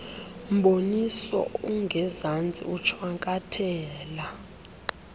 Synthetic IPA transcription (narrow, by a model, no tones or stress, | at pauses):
m̩ɓonisɔ̰uŋɡʱɛzand͡zʱʼḭut͡ʃʰwaŋkʼatʰɛːla